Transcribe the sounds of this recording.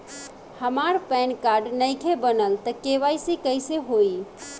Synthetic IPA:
həmaɾpɛnkaɾɖnəjkʰebənəlt̪əkeʋajsikəɪseɦoi

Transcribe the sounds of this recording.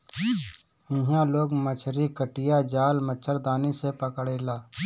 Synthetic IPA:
ɪ̃ɦãloːɡmət͡ʃʰɾikəʈɪjad͡ʒaːlmət͡ʃʰəɾd̪aːnisepəkɽeːlaː

